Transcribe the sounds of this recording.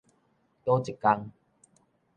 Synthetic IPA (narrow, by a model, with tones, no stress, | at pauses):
t̪o˦t͡ɕi˨˩kːa˧ŋ